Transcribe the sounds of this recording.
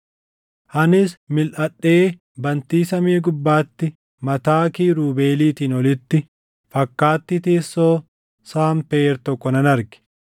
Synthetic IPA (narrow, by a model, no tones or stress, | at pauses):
ʔɐnɪsmɪlʔɐɗːe̞ː | bɐnt̪iːsɐmiːɡʊbːaːt̪ːɪ | mɐt̪aːkiːɾuːbe̞ːliːt̪iːnɔlɪt̪ːɪ | fɐkːaːt̪ːɪt̪eːsːoː | saːmpeːɾt̪ɔkːɔnɐnɐɾɡɪ̥